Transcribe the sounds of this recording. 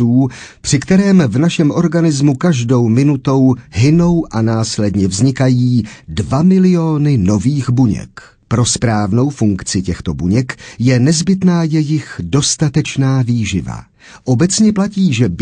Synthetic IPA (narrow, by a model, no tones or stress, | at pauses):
uːpr̥ɪkt̪ɛɾɛːmvnaʃɛmʔo̞ɾɡanɪzmukaʒdo̞wmɪnut̪o̞wɦɪno̞wʔanaːslɛdɲɛvzɲɪkajiːdvamɪlɪo̞ːnɪno̞viːxbuɲɛ̰k | pɾo̞spɾaːvno̞wfuŋkt͡sɪcɛxt̪o̞buɲɛkjɛnɛzbɪt̪naːjɛjɪxdo̞st̪at̪ɛt͡ʃnaːviːʒɪva̰ | ʔo̞bɛt͡sɲɛplaciːʒɛb